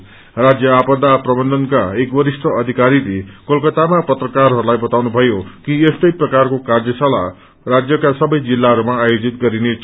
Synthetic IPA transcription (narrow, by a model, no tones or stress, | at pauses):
rad͡zjʌapʌd̪aprʌbʌnd̪ʱʌnkaekbʌɾisʈʌʌd̪ʱikaɾiɾekʌlkʌt̪amapʌt̪rʌkarɦʌɾulajbʌt̪awnubʱʌjokiest̪ʌjprʌkarkokard͡zʌsʰala̰ | rad͡zjʌkasʌbʌjd͡zilːaɦʌɾumaːjod͡zit̪̚ɡʌɾinet͡s